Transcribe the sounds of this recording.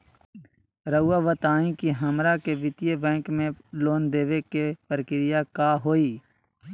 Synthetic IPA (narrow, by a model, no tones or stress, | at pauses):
ɾəuːaːʋət̪aːĩkiɦəmɾakebɪt̪ijebɛ̃ːkmẽloːnd̪eːʋekepəɾəkɪɾɪjakaːɦoːiː